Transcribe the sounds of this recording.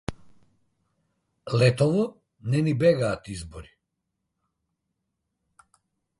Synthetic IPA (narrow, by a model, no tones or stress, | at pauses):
lɛt̪ɔvɔ | nɛnibɛɡaːt̪izbɔɾi